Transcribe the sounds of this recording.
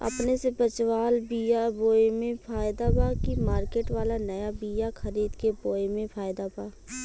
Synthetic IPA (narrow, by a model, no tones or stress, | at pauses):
ə̰pnesebət͡ʃwaːlbijaboːemẽpʰaːjɪd̪abaːkimaːɾkeːʈʋaːlanəjabiːjakʰəɾiːd̪keboːemẽpʰaːjd̪apaː